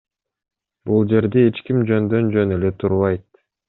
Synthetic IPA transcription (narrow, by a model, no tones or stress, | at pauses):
bulˠd͡ʒe̞ɾd̪eet͡ʃkimd͡ʒø̞nd̪ø̞nd͡ʒø̞nele̞t̪ʰuɾβɑjt̪